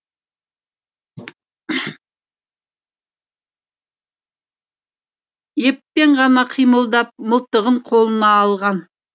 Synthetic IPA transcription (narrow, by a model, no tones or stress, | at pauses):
jepːe̞ɴʁɑnɑqʰijməlˠd̪ɑp̚məlˠt̪əʁəɴqʰo̞lˠənɑːlˠʁɑn